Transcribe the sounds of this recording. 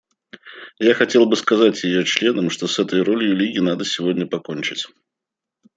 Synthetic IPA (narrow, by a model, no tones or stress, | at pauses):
jaxɐtʲe̞lˠbɨskɐzatʲjɪjot͡ɕlʲe̞nəmʂt̪osɛt̪əjɾo̞lʲɪjʊlʲiɡʲɪnad̪əsʲɪvodʲnʲəpɐko̞nʲt͡ɕɪtʲ